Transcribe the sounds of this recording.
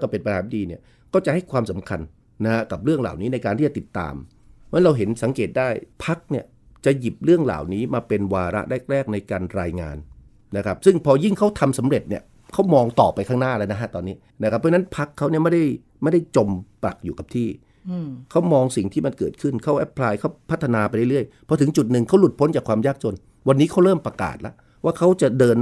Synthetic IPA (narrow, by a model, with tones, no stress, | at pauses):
ka˥˩pe˧npa˧nhaː˩˦ndiː˧ni˥˩ | kɔː˥˩t͡ɕa˨˩ʔha˥˩jkʰwaː˧msa˩˦mkʰa˧nː | a˦˥ha˦˥ka˨˩p̚ɾɯ˥˩əŋla̰ː˨˩wniː˦˥na˧jkaː˧nt̪iː˥˩a˨t̪i˨˩t̪ːa̰ː˧m | a˦˥ɾa˧wɦe˩˦nsa˩˦ŋkeː˨˩t̪̚daː˥˩jpʰa˦˥k̚ni˥˩ə | t͡ɕa˨˩ʔji˨˩p̚ɾɯ˥˩əŋla̰ː˨˩wniː˦˥maː˧pe˧nwaː˧ɾa̰˦˥ʔɾɛ˥˩k̚ɾɛː˥˩k̚na˧jkaː˧nɾaː˧jŋa̰ː˧n | na˦˥kʰa˦˥p̚sɯ˥˩ŋpʰɔː˧ji˥˩ŋkʰa˦˥wt̪ʰa˧msa˩˦mɾe˨˩t̪̚ni˥˩ə | kʰa˦˥wmɔː˧ŋt̪ɔː˨˩pːa˧jkʰaː˥˩naː˥˩la˦˥na˦˥kʰa˦˥t̪ɔː˧nːiː˦˥ | na˦˥kʰa˦˥p̚ʰːna˦˥npʰa˦˥kʰːa˦˥wni˥˩ma˥˩jda˥˩j | ma˥˩jda˥˩jt͡ɕo˧mpa̰˨˩k̚juː˨˩ka˨˩p̚t̪ʰiː˥˩ | kʰa˦˥wmɔː˧ŋsi˨˩ŋt̪ʰiː˥˩ma˧nkɤː˨˩t̪̚kʰɯ˥˩nkʰa˦˥wʔɛ˦˥pʰlaː˧jkʰa˦˥wpʰt̪ʰːa˧naː˧pa˧jɾa˥˩ɾɯ˥˩əjpʰɔ˧˥t̪ʰɯ˩˦ŋt͡ɕu˨˩t̪̚nɯ˨ŋkʰa˦˥wlu˨˩t̪̚pʰo˦˥nt͡ɕaː˨˩kʰwaː˧mjaː˥˩k̚t͡ɕo˧n | wa˧nːiː˦˥kʰa˦˥wɾɤː˥˩mpɾa˧ka̰ː˨˩t̪̚la̰˦˥ʔ | waː˥˩kʰa˦˥wt͡ɕa˨˩dɤː˧n